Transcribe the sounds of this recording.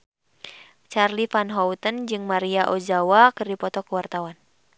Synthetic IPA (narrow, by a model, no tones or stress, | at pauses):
t͡ʃarlifanɦɔwt̪ənd͡ʒɨŋmaɾiaʔod͡ʒawakɨrdipɔt̪ɔkəwart̪awan